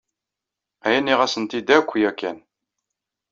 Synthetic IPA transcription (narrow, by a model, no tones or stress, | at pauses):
æjænːiʁæsənt̪id̪ækʷːjækːæ̰n